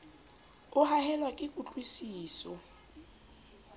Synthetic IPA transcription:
ʊɦahɛlwakʼɪkʼut͡ɬʼwisiːsɔ

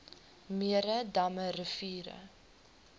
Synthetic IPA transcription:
miəɾədɐməɾəfiːɾə̰

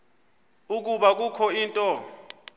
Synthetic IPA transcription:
uk̬uɓak̬ukʰɔiːntʼɔ

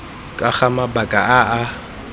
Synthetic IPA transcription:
kʼaχamabakʼaaʔa

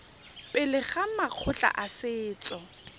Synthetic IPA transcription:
pʼɪlɪχamaq͡χʰʊt͡ɬʼa̰ʔasɪːt͡sʼɔ

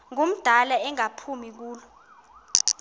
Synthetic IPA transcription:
ŋum̩d̥ʱalaɛŋapʰumik̬uːlɔ

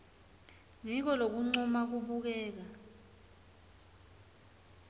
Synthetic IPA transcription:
ŋik̬ɔlok̬uŋ͡ǀɔmak̬uɓuk̬ɛːk̬a

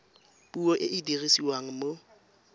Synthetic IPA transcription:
puɔʔɪʔɪdirisiwaŋ̩mo

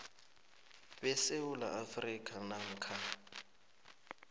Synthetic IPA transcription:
bɛsewula̰ʔafrikʼanaŋ̩kʰa

